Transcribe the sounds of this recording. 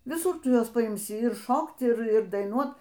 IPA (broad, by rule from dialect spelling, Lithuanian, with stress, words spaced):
ʋʲɪˈsʊr ˈtʊ ˈjuɔs pɐɪmʲˈsʲɪ ɪr ˈʃoːkt ˈɪr ˈɪr dɐɪˈnuɔt